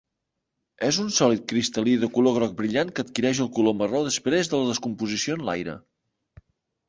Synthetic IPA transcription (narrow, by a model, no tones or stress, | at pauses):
ɛzunsɔlit̪̚kɾist̪əliðəkuloɣɾɔk̚bɾiʎaŋkət̪kiɾɛʃ̬əlˠkuloməroðəspɾezðələðəskumpuzisionla̰jɾə̰